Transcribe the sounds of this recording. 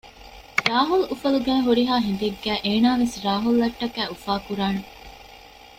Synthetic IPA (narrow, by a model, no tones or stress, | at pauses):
ɾaːɦulufɐluɡæːɦuɾiɦaːɦend̪eɡːæːʔeːnaːʋesɾaːɦulːɐʈːɐkæːufaːkuɾaːne